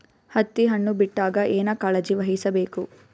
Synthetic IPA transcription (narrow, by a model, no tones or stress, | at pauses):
hɐt̪ːiɦɐɳːubiʈːaːɡɐʔeːnɐkaːlɐd͡ʒiʋɐɦisɐbeːku